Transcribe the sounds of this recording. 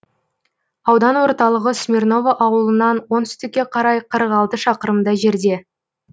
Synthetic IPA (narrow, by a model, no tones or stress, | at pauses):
ɑwd̪ɑnwo̞ɾt̪ɑlˠəʁəsmʲerno̞vəʔɑwəlˠənɑnwo̞nʏ̥st̪ɪkʲːe̞qʰɑɾɑjqʰəɾəʁɑlˠt̪əʃɑqəɾəmd̪ɑʒe̞ɾd̪e̞